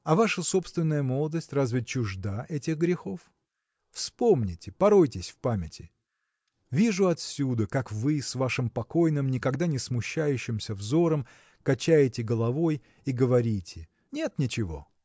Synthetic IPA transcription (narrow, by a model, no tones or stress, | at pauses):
ɐvaʂəso̞pst̪vʲɪnːəjəmo̞lˠəd̪əsʲtʲrazvʲɪt͡ɕʊʐd̪aʔɛtʲɪɣɡɾʲɪxo̞f | fspo̞mnʲɪtʲɪpɐɾo̞jtʲɪsʲfpamʲɪtʲɪ | vʲiʐʊɐt̪sʲud̪əkakvɨsvaʂɨmpɐko̞jnɨmnʲɪkɐɡd̪anʲɪsmʊɕːæjʉɕːɪmsʲəvzo̞ɾəm | kɐt͡ɕæjɪtʲɪɡəlˠɐvo̞j | iɡəvɐɾʲitʲʰɪ | nʲe̞t̪nʲɪt͡ɕɪvo̞̰